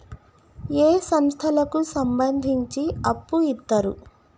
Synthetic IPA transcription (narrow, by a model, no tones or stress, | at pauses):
eːsɐmst̪ʰɐlɐkusɐmbɐnd̪ʱiɲt͡ʃiɐpːuit̪ːɐɾṵ